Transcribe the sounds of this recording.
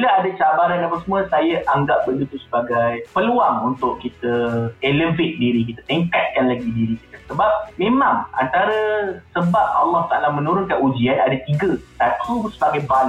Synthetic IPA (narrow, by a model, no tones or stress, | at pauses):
laadat͡ʃabaɾanapəsəmũəsajaʔaŋɡap̚bəldut̪usə̥baɡajpəluaŋunt̪ʊʔkit̪əeləvet̪̚diɾik̬it̪at̪impɛt̪̚kanlaɡidiɾikit̪əsəbap̚mẽmãŋa̰nt̪aɾəsəbap̚a̰lːɑht̪aalahmə̃nũɾʊnkanud͡ʒianadat̪iɡət̪at̪ʰusəbaɡajbal